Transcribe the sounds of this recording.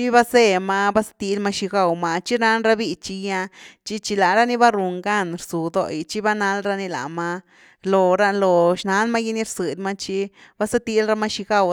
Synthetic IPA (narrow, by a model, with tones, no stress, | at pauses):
t͡ʃi˦ba˦se˦˧ma˧ba˦sḁ˦t̪i˧lma˧ʃi˧ɡa˦˧˨wma˧t͡ʃi˦ɾna˦nɾa˦bi˧t͡ʃi˧ja˧t͡ʃi˦t͡ʃi˧la˨ɾa˦ni˦ba˦ɾu˨ŋɡa˦˨nɾsu˨d̪o̰˧jt͡ʃi˦ba˦na˧˦lɾa˧ni˧la̰˨ma˧ | lo˨ɾa˧lo˨ʃna˧˦lma˦ji˦ni˦ɾsɨ˨d̪ma˦t͡ʃi˦b̥a˦sa˦t̪i˦lɾa˧˦ma˦ʃi˧ɡa˦˨w